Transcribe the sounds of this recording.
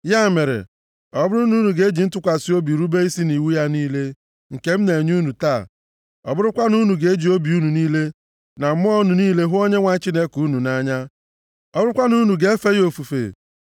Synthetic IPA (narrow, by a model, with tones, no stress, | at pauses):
ja˦˨me˨ɾḛ˨ | ɔ˨bʊ˦ɾu˦nu˦nu˨ɡe˦d͡ʒi˨n̩˦tʊ˦kʷa˨si˦o˦bi˨ɾu˦be˦i˦si˦ni˨wu˦ja˦niː˦le˦ | ŋ̩˨ke˦m̩˦ne˨ɲu˦nu˨taː˦˨ | ɔ̰˨bʊ˦ɾʊ˦kʷa˦nu˦nu˨ɡe˨˦e˦d͡ʒi˨o˦bi˨u˦nu˨niː˦le˦ | na˨m̩˦m˦ɔ˦nu˨niː˦le˦ɦʊ˦o˦ɲe˦ŋʷa˦t͡ʃi˦ne˦ku˨˦nu˨na˦ɲa˦ | ɔ˨bʊ˦ɾʊ˦kʷa˦nu˦nu˨ɡe˦e˦fe˦jo˨fu˨fḛ˨